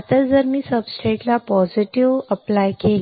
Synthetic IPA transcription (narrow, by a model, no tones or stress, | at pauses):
t̪əɾd͡zəɾmiːsəbsʈɾeʈlapɔziʈiʋəplajkel